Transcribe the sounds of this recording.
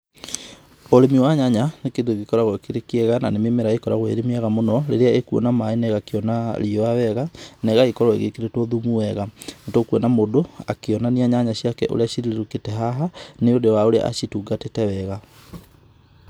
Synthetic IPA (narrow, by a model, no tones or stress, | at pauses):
oɾemiwaɲaɲanekeðueɣikɔɾaɣɔekeɾekeɛɣana̰nememeɾaekɔɾaɣwḛɾemiaɣamonɔɾeɾeaekuɔ̰namaenɛɣakeɔnaɾiɔawɛɣanɛɣaɣekɔɾɔeɣekeɾetɔðumuɛɣanatokuɔnamodoa̰keɔnaniaɲaɲaɕiakɛʔo̰ɾeaɕiɾieɾuketɛɦaɦaneodewaoɾea̰ʔaɕituɡatetɛwɛɣa